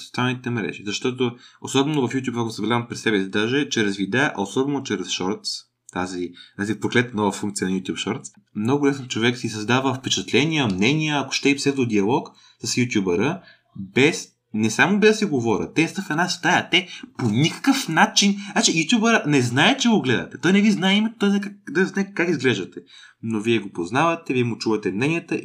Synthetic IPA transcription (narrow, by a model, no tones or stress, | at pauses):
so̥t̪salˠnit̪ɛmɾɛ̰ʒizɐʃt̪ɔt̪oosɔbɛnovɐfjut̪̬ʲjupɐkosəblazɐmpɾɛsɛbɛsid̪aʒɛt͡ʃɛɾɛzvid̪aʔɐ̰osɔbɛnot͡ʃɛɾɛsʃɔɾt̪s | t̪azit̪azipɾoklɛt̪nɔvəfuŋkt̪sijənjut̪ʲjupʃɔɾt̪s | mnɔɡʊlɛsnot͡ʃovɛksisɐzd̪avəfpɛt͡ʃɛt̪lɛniəmnɛnʲiəɐko̥ʃt̪ɛipsɛzd̪od̪iɐlˠɔk | sɐsjut̪ʲjubəɾə | bɛs | nɛsamobɛd̪sɛɡovɔɾʲə̰t̪ːɛst̪əxɐnast̪ajɐt̪ɛponʲikə̥kəfnat͡ʃinat͡ʃɛjut̪ʲjubəɾənɛznaɛt͡ʃɛɡoɡlɛd̪ɐ̰t̪ɛt̪ɔjnɛviznaɛimɛt̪t̪ɔjkad̪ɐznaɛkakizɡlɛʒd̪ət̪ɛ | noviɛɡopoznavɐt̪ɛviɛmʊt͡ʃuvɐt̪ɛmnɛnʲijət̪ə